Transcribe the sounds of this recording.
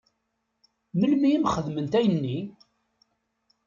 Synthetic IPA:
məlmiæmχəðmənt̪æjənːi

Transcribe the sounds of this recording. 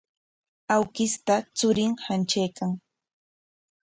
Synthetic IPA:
awkɪst̪at͡sʊɾɪŋhant͡ʃajkaŋ

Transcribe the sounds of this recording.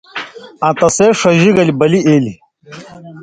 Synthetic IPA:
ãt̪ɐseːʂɐʑiɡɐlibɐlieːli

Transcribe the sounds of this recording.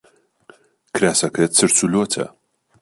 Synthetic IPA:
kʰɾaːsɐkʰɐt͡sɨɾt͡sʰulotʰɐ̰

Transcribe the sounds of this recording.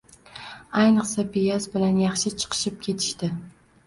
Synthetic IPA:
ajnɨqsapʰejasbɪlanjɑχʃɪt͡ʃʰɨ̥qʰɨ̥ʃɪp̚kʲʰe̞t̪ʰɪ̥ʃt̪ɪ

